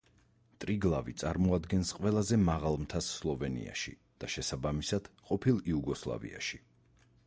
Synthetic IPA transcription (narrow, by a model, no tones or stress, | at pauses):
t̪ʼɾiɡlˠavit̪sʼaɾmɔad̪ɡɛnsqʼwɛlˠazɛmaʁalˠmt̪ʰasːlˠɔvɛnḭa̰ʃḭ | d̪̥aʃɛsabamisad̪̥qʼɔpʰilˠiuɡɔslˠa̰vḭa̰ʃi̥